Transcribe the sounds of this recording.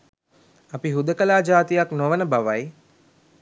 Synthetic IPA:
apiɦud̪əkəlaːd͡ʒaːt̪ijaknoʋənəbaʋaj

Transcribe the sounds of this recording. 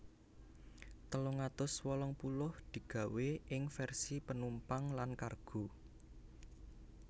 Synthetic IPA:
t̪əloŋat̪ʊswɔlɔŋpulʊhd̪̥i̤ɡ̥a̤weʔɪŋfɛrsipənumpaŋlankarɡ̥o̤

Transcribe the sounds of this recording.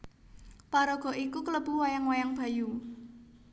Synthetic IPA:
paɾɔɡ̥ɔ̤ʔikukələb̥ṳwajaŋwajaŋb̥a̤ju

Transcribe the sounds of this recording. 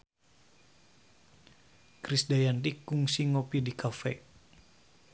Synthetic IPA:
kɾisdajant̪ikuŋsiŋopidikʰafɛ

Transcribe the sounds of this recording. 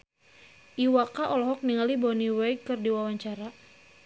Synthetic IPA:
ʔiwakaʔɔlɔɦɔk̚niŋalibɔniwɛjkːɨrdiwawaɲt͡ʃaɾa

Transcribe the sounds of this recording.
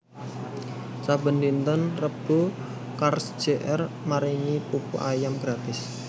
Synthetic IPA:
sabə̤nd̪int̪ənrəb̥o | karsd̥d͡ʒ̥eʔɛr | maɾiŋipupṵʔajamɡɾat̪ɪs

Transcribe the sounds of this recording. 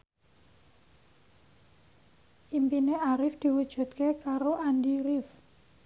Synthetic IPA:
ʔimpineaɾɪfd̪̥i̤wud̥ʒ̥ṳt̪kekaɾoʔandiɾɪf

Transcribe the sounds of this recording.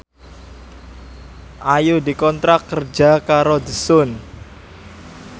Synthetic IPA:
ʔajudikɔnt̪ɾakːərd͡ʒakaɾodəsʊn

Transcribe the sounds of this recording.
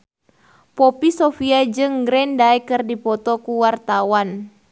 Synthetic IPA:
pɔpisofiad͡ʒɨŋɡɾɛndaɛkɨrdipɔt̪ɔkuwart̪awan

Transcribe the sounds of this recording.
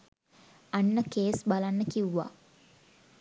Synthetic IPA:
anːəkeːsbalanːəkiuʋa̰

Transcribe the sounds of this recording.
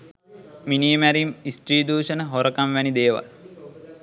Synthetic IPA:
miniːmæɾimisʈriːd̪uːʃənəɦoɾəkamʋænid̪eːʋa̰l

